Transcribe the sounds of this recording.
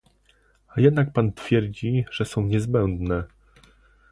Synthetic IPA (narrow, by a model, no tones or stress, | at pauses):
ajɛd̪nak̚pant̪fʲjɛɾd͡ʑiʐ̥ɛsɔ̃w̃ɲɛzbɛnd̪nɛ